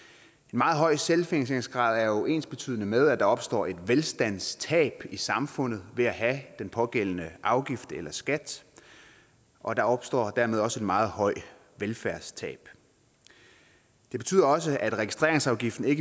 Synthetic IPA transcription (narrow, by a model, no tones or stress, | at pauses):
e̝nmɑ̈ːð̞̩ˠɦɒ̽ɪ̰selfeŋseŋsɡ̥ʁɑ̰̈ːð̞ˠæɐjoʔe̝̰ːnsb̥e̝̥t͡sʰy̰ːð̰ˠənəmeð̞ˠæd̥ɑ̈ɒ̽b̥sd̥ɒ̰ːe̝d̥ʋelsd̥æn̰st͡sʰɛ̰ːb̥isɑ̈mfɔ̽n̰ð̞̩ˠʋe̝æɦæd̥enpʰɒ̽ɡ̥el̰ənəʔɑ̈ʊɡ̥ifd̥elɐsɡ̥æd̥ | ʔɒ̽d̥ɑ̈ɒ̽b̥sd̥ɒ̰ːd̥æɐme̝ð̞ˠɒ̽səe̝d̥mɑ̈ːð̞̩ˠhɒ̽ɪ̰ | ʋelfæɐst͡sʰɛ̰ːb̥ | d̥e̝b̥e̝̥t͡sʰy̰ːð̰ˠɒ̽s̬əʔæd̥ʁɛɡ̥isd̥ʁe̝ɐeŋsɑ̈ʊɡ̥ifd̥n̩e̝ɡ̥ə